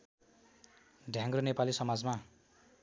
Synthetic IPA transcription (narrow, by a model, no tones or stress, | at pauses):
ɖʱjãŋronepalisʌmad͡zma